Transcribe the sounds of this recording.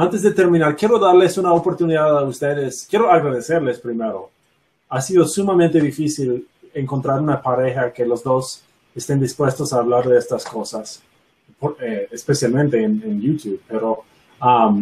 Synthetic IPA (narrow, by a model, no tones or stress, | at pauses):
ant̪ezðet̪eɾmĩnaɾkjeɾo̞ðaɾle̞sunaopo̞ɾt̪uniðaðaust̪eðeskjeɾoaɣɾaðe̞se̞ɾle̞spɾime̞ɾo̞ | asiðo̞sumamẽnt̪eðifisile̞ŋko̞nt̪ɾaɾunapaɾe̞xake̞lozðo̞s | est̪end̪ispwe̞st̪o̞saːβlaɾðeest̪asko̞sas | poɾeespesjalmẽ̞nt̪e̞ːnenjut̪juβpeɾo | am